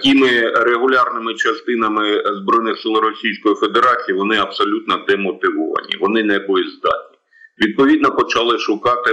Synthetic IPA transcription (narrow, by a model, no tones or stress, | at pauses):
kʲimɪɾeɦʊlʲɑrnɪmɪt͡ʃɐst̪ɪnɐmɪzbɾɔjnɪxsɪlˠɾɔsʲijsʲkɔjife̞d̪eɾɑt͡sʲijiʋɔnɪɐpsɔlʲut̪nɔd̪ɛmɔt̪ɪʋɔʋɐ̰nʲḭʋɔnɪnɛbʊlˠɪzd̪ɑ̰t̪̚ʲnʲi | ʋʲid̪̚pɔʋʲid̪nɔpɔt͡ʃɐlˠɪʃʊkɑt̪ɪ